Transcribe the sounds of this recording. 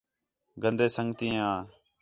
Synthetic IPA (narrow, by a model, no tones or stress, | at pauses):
ɡənd̪eːsəŋɡt̪ĩːãː